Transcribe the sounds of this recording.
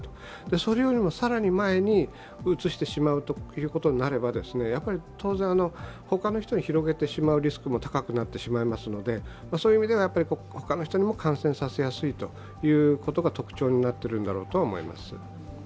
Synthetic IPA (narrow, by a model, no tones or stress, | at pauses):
t̪o̥ | d̪e̞so̞ɾejoːɾʲimo̞saɾaɲ̟imae̞ɲ̟i | ɯt͡sɨɕi̥t̪e̞ɕimaɯ̟t̪ojɯ̟ːko̞t̪o̞ɲinaɾe̞bad̪e̞sɨne̞japːaɾʲit̪ʰo̞ːzẽ̞ɰ̃ano̞ho̞kano̞çi̥t̪o̞ɲ̟içiɾo̞ɡe̞t̪e̞ɕimaɯ̟ɾʲisɨ̥kɯ̟mo̞t̪ḁkakɯ̟nat̪ːe̞ɕimaimasɨno̞d̪e̞ | masoːjɯimʲid̪e̞βajapːaɾʲiko̞ | ho̞kano̞çi̥t̪oɲ̟imo̞kʰãɰ̃sẽsase̞jasɨit̪o̞ | jɯ̟ːko̞t̪o̞ɡat̪o̞kɯ̟̥t͡ɕo̞ːɲ̟inat̪ːe̞ɾɯ̟̃nd̪a̰ɾo̞ːt̪oaomo̞ḭma̰sɨ̰